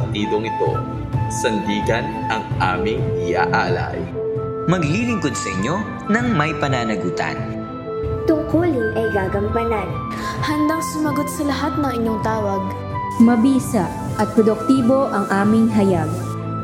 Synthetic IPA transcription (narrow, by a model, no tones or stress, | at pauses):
k̚t̪iːd̪oŋɪt̪o̞ | sɐnd̪iːɡɐnʔɐŋʔa̰ːmɪŋɪja̰ʔaːla̰j | mɐɡlilɪŋkod̪̚sɐʔɪɲo̞ | nɐŋmɐjpɐnaːnɐɡuːt̪ɐ̰n | t̪ʊŋkuːlɪnʔɐjɡaːɡɐmpɐnan | hɐnd̪aŋsʊmɐɡot̪̚sɐlɐɦat̪̚nɐŋɪɲjoŋt̪aːwɐɡ̚ | mɐbiːsɐ | ʔɐt̪̚pɾod̪ʊk̚t̪iːbo̞ʔɐŋʔaːmɪŋɦɐjaɡ̚